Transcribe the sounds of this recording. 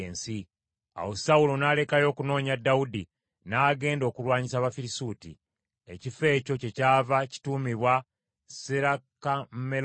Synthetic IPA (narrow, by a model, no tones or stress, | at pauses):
eːnsi | a̰wosaulonaːle̞kajo̞ːkuno̞ːɲadːaudi | naːɡe̞ːndo̞ːkulwaːɲisaβafiɾisutḭ | e̞̰cife̞ːco̞ce̞caːvaci̥tuːmiβwa | seɾakamme